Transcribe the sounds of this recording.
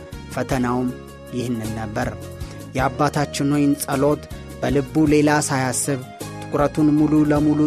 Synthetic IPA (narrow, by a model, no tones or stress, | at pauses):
fət̪ʰənawm | jɪhnːɨnːəbːəɾ | jɛabːat̪ʰat͡ʃːɪnojɪnsʼəlo̞t̪ | b̥əlɨbːule̞lasajasːɨβ | t̪ʼɨkʼʊɾət̪ʰunmululəmulu